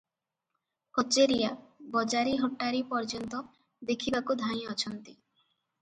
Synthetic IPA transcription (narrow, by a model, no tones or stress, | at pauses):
kɔt͡ʃeɾijabɔd͡ʒaɾiɦɔʈːaɾipɔɾd͡ʒɔnt̪ɔ | d̪ekʰibakud̪ʱãj̃ɔt͡ʃʰɔnt̪i